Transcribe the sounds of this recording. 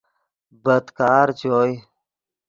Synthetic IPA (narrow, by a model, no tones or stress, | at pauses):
bəd̪kaːɾt͡ɕoːj